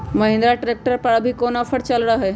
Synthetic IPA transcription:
məɦɪ̃nd̪ɾaʈɾek̚ʈəɾpəɽəbʱikonafʰəɽt͡ɕalɽaɦe

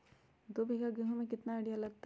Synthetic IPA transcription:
d̪obʱiɡaɡɾuɦũmẽkɪt̪naeɽijalɐɡ̚t̪

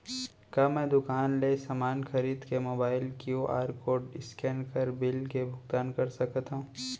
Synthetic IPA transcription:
kjaːmɛ̃d̪ʊkaːnlesaːmaːnxɐɾiːd̪kemoːbaːɪlkjuʔa̰ːɾkoːɾɖɪskɛːnkəɾbɪlkebʱʊɡt̪aːnkɐɾsɐkt̪aɦũː

